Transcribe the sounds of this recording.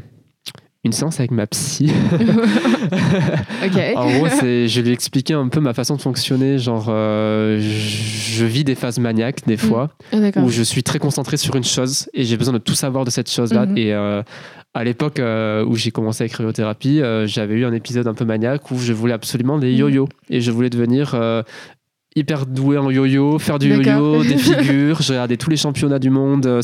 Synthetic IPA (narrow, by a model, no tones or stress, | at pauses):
ynseɑ̃savɛkmapsi | oɑ̃ɡʁosɛʒəlɥiɛksplikʲɛɛ̃pømafasɔ̃d̪əfɔ̃ksjɔneʒɑ̃ʁø | ʒəvid̪efazmaɲjakd̪efwa | d̪akuʒəsɥit̪χɛkɔ̃sɑ̃t̪χesyʁynʃozeʒebəzwɛ̃d̪ət̪usavwaʁd̪əsɛt̪ʃozlaeø | alepɔkøṵʒekɔmɑ̃seaɛkχiot̪eʁapiøʒavɛyɛ̃nepizɔd̪ɛ̃pømaɲjakʰuʒəvulɛabsɔlymɑ̃lejojoeʒəvulɛd̪əvəniʁø | ipɛʁd̪ueɑ̃jojofɛʁd̪yjojod̪efiɡʲyʁʒəɡaʁd̪et̪uleʃɑ̃pjɔnad̪ymɔ̃d̪ø